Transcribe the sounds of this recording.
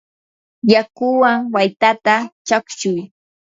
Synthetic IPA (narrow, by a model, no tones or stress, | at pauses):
jakʊwaŋwajt̪at̪at͡ʃakʃʊj